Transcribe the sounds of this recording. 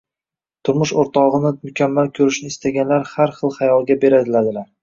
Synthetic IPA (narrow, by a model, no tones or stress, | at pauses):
t̪ʰʊɾmʊʃoɾt̪ʰɒʁɨnɪmʊkʲʰamːalkʲʰɵɾɪʃnɪːst̪aɡʲanlaɾhaɾχɨlˠχajɒlˠɡʲabe̞ɾad̪ɪlad̪ɪlaɾ